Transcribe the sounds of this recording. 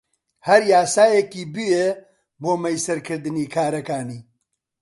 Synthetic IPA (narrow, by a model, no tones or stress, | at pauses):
hɐɾjaːsaːjekiːbɨje | boːmɐjsɐɾkʰɨɾd̪ɨniːkʰaːɾɐkaːniː